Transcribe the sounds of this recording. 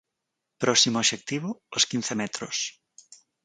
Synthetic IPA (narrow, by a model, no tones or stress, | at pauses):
pɾɔsimoʃek̚t̪iβooskinθemɛt̪ɾos